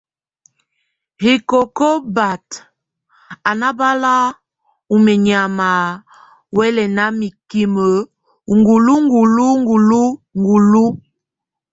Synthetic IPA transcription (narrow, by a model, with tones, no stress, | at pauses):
hi˨kɔ˨kɔ˦ba˨t | a˨na˦ba˦la˦ | u˨mɛ˨ɲ˨a˨ma˨ | wɛ˦lɛ˨na˨˦mi˨ki˨mə˨ | ŋɡu˨lu˦ŋ˦ɡu˨lu˦ŋ˦ɡu˨lu˦ŋɡu˨lu˦